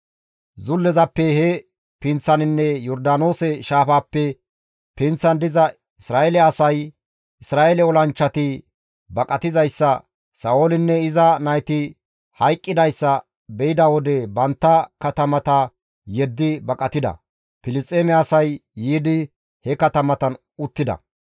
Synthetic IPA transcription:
zʊlːɛzɐpːɛhɛ | pɪnt͡sːɐnɪnːɛjɔɾd̪aːno̞ːsɛʃaːfaːpːɛ | pɪnt͡sːɐnd̪ɪzɐ | ɪsɾaːʔɛlɛɐsɐj | ɪsɾaːelɛɔlɐnt͡ʃːɐt̪ɪ | bɐkʼɐt̪ɪzɐjsːɐ | sɐoːlɪnːɛɪzɐnɐjt̪ɪ | hɐjkʼːɪd̪ɐjsːɐ | bɛɪd̪ɐwɔd̪ɛbɐnt̪ːɐkɐt̪ɐmɐt̪ɐ | jɛd̪ːɪbɐkʼɐt̪ɪd̪ɐ̰ | pɪlɪst͡st̪ʼːeːmɛɐsɐjːiːd̪ɪ | hɛkɐt̪ɐmɐt̪ɐn | ʊt̪ːɪd̪ɐ̰

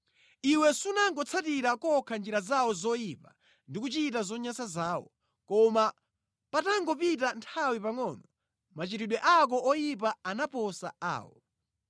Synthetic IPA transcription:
iwɛsunaŋɡɔt͡sʰatiɾakɔkʰand͡ʒiɾazawɔzɔjipa | ndikut͡ʃitazɔɲasazaːwɔ̰ | kɔma | pataŋɡɔpitantʰawipaŋɔːnɔ | mat͡ʃitiɗwɛʔak̬ɔʔɔjip̬aanapɔsaa̰ːwɔ̰

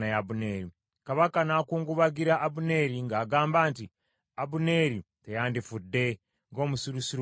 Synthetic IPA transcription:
najabune̞ɾi | kaβakanaːkuːŋɡuβaɡiɾaʔːbune̞ɾiŋɡaːɡaːmbaːnti | abune̞ɾi | tejaːndifudːe̞ | ŋɡo̞ːmusuɾusiɾ

